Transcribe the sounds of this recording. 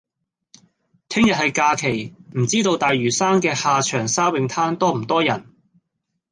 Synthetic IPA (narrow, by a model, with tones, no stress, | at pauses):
t̪ʰɪ˥ŋjɐ˨t̚hɐ˨jkaː˧kʰe˨˩jm̩˨˩t͡siː˥t̪o˧wt̪aː˨jɥyː˨˩saː˥nkɛː˧haː˨t͡ʃʰœː˨˩ŋsaː˥wɪ˨ŋt̪ʰaː˥nt̪ɔː˥m̩˨˩t̪ɔː˥jɐ˨˩n